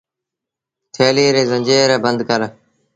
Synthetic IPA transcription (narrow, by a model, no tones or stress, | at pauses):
t̪ʰeːliɾeːzə̃ɲd͡ʒeːɾeːbənd̪kəɾ